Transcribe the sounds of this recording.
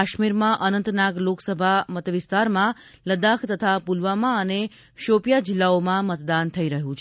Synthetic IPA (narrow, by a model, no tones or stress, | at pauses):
aʃmiɾmãʔənənt̪naɡloksəbʱamət̪ʋɪst̪aɾmã | ləd̪akʰt̪ət̪ʰapulʋamãəne | ʃopjad͡ʒilːaomãmət̪d̪ant̪ʰəiɾəɦũt͡ʃʰ